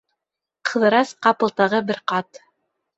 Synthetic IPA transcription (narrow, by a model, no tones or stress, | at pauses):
qʰɤ̆ðɤ̆ɾɑsqɑpɤ̆lˠt̪ɑʁɤbɘɾqɑt̪